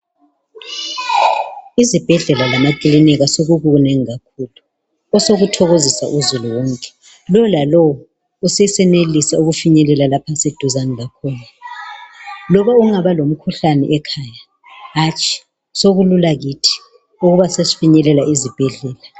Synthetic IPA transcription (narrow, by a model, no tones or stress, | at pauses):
izib̥ʱɛɮɛlalamakʼiliniɣasoɣuɣuunɛŋiɣakʰuːlu | ɔsoɣutʰɔɣozisa̰ʔuzuluwɔŋkʼɛ̥ | lɔlalɔwɔ | useisɛnelisauɣufiɲɛlɛlalapʰased̥ʱuzanilakʰɔːna | lɔβauŋaβalom̩kʰuɬanɛ̰ʔɛkʰaja | ɦat͡ʃʼʰi̥ | soɣululaɣitʰi̥ | uɣuβasesifiɲɛlɛlaizib̥ʱɛɮɛːla